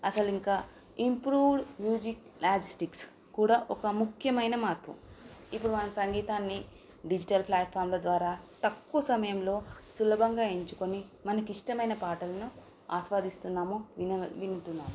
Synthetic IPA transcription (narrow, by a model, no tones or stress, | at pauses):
ɐsɐliŋkaː | impɾuːʋɖmjuːd͡ʒiklaːd͡ʒisʈiks | kuːɽaːʔɔkɐmukʰjɐmɐjnɐmaːɾpʰṵipːuɽumɐnɐmsɐŋɡiːt̪aːnːi | ɖid͡ʒiʈɐlpʰlaːʈ̚pʰaːɾmloːd̪ʋaːɾaːt̪ɐkːuɐsɐmɐjɐmlo̞ːsulɐbʱɐŋɡaːiɲt͡ʃuko̞nimɐnɐkuiʂʈɐmɐjnɐpaːʈɐlɐnu | aːʃʋaːd̪ist̪unːaːmoːinʋinuʈunːaːmu